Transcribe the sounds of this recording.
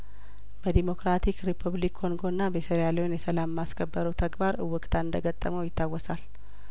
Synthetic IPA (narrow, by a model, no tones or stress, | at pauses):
bəd̪imo̞kɾat̪ʰikɾipʰuβlikʰːo̞ŋɡo̞ɨnːabəsəɾjaləwnjɛsəlamːaskʰəbːəɾəwt̪ʰəɡbaɾɨwːɨkʼt̪ʰaɨnd̪əɡət̪ʼːəməwjɪt̪ʰːawːɔsal